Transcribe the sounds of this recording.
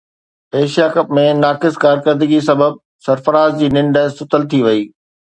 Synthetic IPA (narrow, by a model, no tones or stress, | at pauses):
eːʃijakɐpmẽnaːkɪskaːɾkəɾd̪ɪɡisɐbəb̚ | sɐɾfəɾaːzd͡ʑiːnɪ̃ɳɖə̆sʊt̪əlt̪ʰiʋɐiː